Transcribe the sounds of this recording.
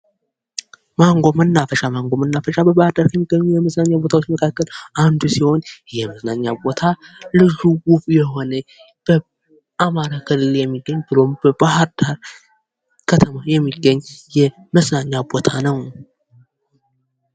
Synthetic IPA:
maŋɡomɨnːafəʃamaŋɡʷomɨnːafəʃabəbahɾd̪aɾkʰjɛmːiɡ̥ːəɲːujɛməsnaɲːabo̞t̪awot͡ʃːməkʰakːəland̪usiho̞njɛməsnaɲːabo̞t̪ʰalɨʒuɡubjɛho̞nə | b̥ə | amaɾakʰɨlɨljɛmːiɡːəɲːbɨlo̞mbəbahɨɾd̪̥aɾ | kʰət̪ʰəmajɛmːiɡːəɲːjɛ | məsnaɲːabo̞t̪ʰanəw

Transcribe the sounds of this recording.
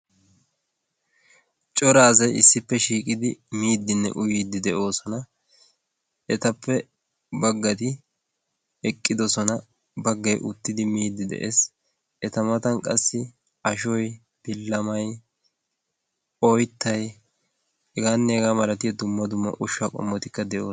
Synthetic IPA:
t͡ʃʼɔɾaːzɐjɪsːɪpːɛʃiːkʼɪd̪ɪmiːd̪ːɪnːɛ̰ʔʊjiːd̪ɪd̪ɛʔo̞ːsɔnɐ | ɛt̪ɐpːɛ | bɐɡːɐt̪̬ɪ | ɛkʼːɪd̪ɔsɔnɐ | bɐɡːɐjʔʊt̪ːɪd̪ɪmiːd̪ːɪd̪ɛ̰ʔḛːs | ɛt̪ɐmɐt̪ɐnkʼɐsːɪ | ɐʃɔj | b̥ɪlːɐmɐj | ɔjt̪ːɐj | ɛɡaːnːɛɡaːmɐɾɐt̪ɪjɐd̪ʊmːɐd̪ʊmːɐ̰ʔʊʃːɐkʼɔ̰mːɔt̪ɪkːɐd̪ɛʔo̞ː

